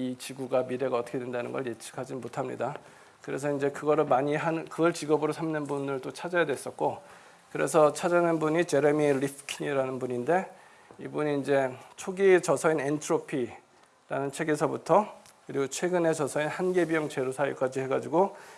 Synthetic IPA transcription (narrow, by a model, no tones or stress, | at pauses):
it͡ɕiɡuɡamiɾe̞ɡaʌt͈ʰʌ̥kʰedwendanɯnɡʌɭje̞t͡ɕʰi̥kʰad͡ʑinmotʰamɲḭda | kɯɾe̞s̬ʰʌind͡ʑe̞kɯɡʌɾɯɭmaɲiɦanɯkɯɡʌɭt͡ɕiɡʌbɯɾosʰamnɯnbunɯɭt͈ot͡ɕʰad͡ʑajadwe̞s͈ʌt̚k͈o | kɯɾe̞̰s̬ʰʌt͡ɕʰad͡ʑanɯnbuɲit͡ɕe̞ɾemiɾipʰkʰiɲiɾanɯnbuɲinde̞ | ibuɲiːnd͡ʑe̞t͡ɕʰoɡit͡ɕʌsʰʌinentʰɯɾopʰi | ɾa̰nɯnt͡ɕʰwe̞ɡe̞sʰʌbutʰʌ | kɯɾiɡot͡ɕʰwe̞ɡɯne̞t͡ɕʌsʰʌinhanɡe̞bijʌŋt͡ɕe̞ɾosʰajuk͈ad͡ʑihe̞ɡad͡ʑiɡo